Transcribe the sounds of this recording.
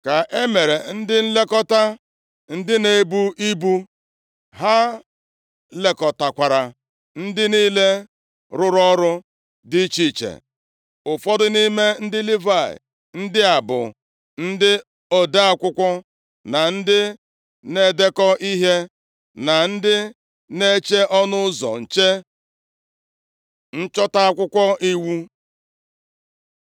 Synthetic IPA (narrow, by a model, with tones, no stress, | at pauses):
ka˨ʔe˦me˨ɾe˨n̩˦dɪ˦n̩˦le˦kɔ˦ta˦ | n̩˦dɪ˦ne˨˦bu˦ʔi˦bu˦ | ɦa˦ | le˨kɔ˨ta˨kʷa˨ɾa˨ | n̩˦dɪ˦niː˦le˦ | ɾʊ˦ɾɔ˦ɾʊ˦ | dɪ˦t͡ʃi˦˨t͡ʃḛ˨ | ʊ˨fɔ˦dʊ˦ni˦me˦n̩˦dɪ˦li˦va˦˨ɪ̰˨ | n̩˦dɪ˦a˨bʊ̰˨ | n̩˦dɪ˦ | o˨da˦a˨kʷʊ˦kʷɔ˦ | na˨n̩˦dɪ˦ | ne˦˨de˦kɔ˦ʔi˦ɦe˦ | na˨n̩˦dɪ˦ | ne˦t͡ʃe˦ʔɔ˦nʊ˦zɔ̰˨n̩˨t͡ʃe˦ | n̩˦t͡ʃɔ˦ta˦a˦kʷʊ˦kʷɔ˦ʔi˦wu˦